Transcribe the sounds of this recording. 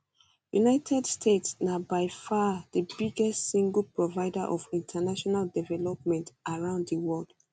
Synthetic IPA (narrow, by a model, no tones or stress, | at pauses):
junaɪtʰɛdstʰetsnabaɪfadəbiɡɛstsĩŋɡəl̩pɹɔvaɪdaʔɔfĩntʰanaʃɔnaldɛvɛlɔp̚mɛ̃ntaɹãʊ̃nddəwɔld̥